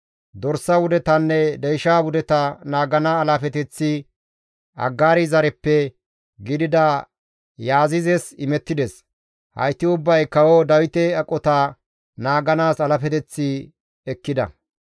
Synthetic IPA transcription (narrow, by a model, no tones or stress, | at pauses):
d̪ɔɾsɐwʊd̪ɛt̪ɐnːɛd̪ɛjʃaːwʊd̪ɛt̪ɐnaːɡɐnaːlɐfɛt̪ɛt͡sːɪ | ɐ̰ɡːaːɾɪzɐɾɛpːɛ | ɡɪd̪ɪd̪ɐ | jaːzɪzɛsɪmɛt̪ːɪd̪ɛs | hɐ̰jt̪ːɪʊbːɐjkɐwɔd̪ɐwɪt̪ɛɐkʼːɔt̪ɐ | naːɡɐnaːsɐlɐfɛt̪ɛt͡sːɪ | ɛkːɪd̪ɐ̰